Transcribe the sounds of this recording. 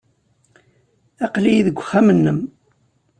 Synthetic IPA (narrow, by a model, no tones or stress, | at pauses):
æqlijiðəɡʷːəxːæmənːəm